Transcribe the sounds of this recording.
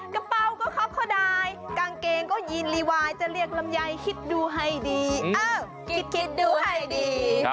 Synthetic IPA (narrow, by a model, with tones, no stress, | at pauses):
ka˧pa˧wkɔː˥˩kʰɔ˦˥kʰɔ˧˩daː˧jkaː˧ŋkeː˧ŋkɔː˥˩ji˧nliː˧waː˧jt͡ɕa˧li˥˩ək̚la˧mja˧jkʰi˧˥t̪̚duː˧ɦa˧˩jdiː˧ʔaː˧˩ | kʰi˧˥t̪̚kʰi˧t̪̚duː˧ha˧˩jdiː˧